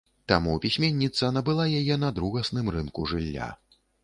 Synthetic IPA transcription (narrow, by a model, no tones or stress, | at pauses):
t̪amupʲisʲmʲenʲːit̪sɐnɐbɨlˠajajɛnɐd̪ɾuɣɐsnɨmrɨnkuʐɨlʲːa̰